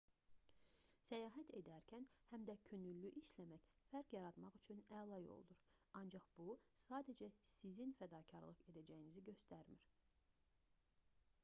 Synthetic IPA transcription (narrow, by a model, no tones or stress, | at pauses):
sæjɑːɦæt̪ʰe̞d̪æɾcʰænhæmd̪æcʰønylːyʔiʃlæmæc | fæɾkjɑɾɑd̪mɑχyt͡ʃʰynælˠɑjo̰lˠd̪uɾɑnd͡ʒɑχb̥usɑːd̪æd͡ʒæsizinfæd̪ɑːcʰɑɾlˠɯχe̞d̪æd͡ʒæjiniziɟø̞st̪æɾmiɾ